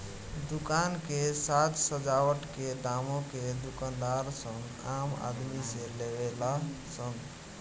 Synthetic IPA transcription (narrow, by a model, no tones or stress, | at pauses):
d̪ukankesat̪səd͡ʒawəʈkeɖ̪amõked̪ukand̪aɾsəŋɡ | ama̰d̪misẽlebelasəŋ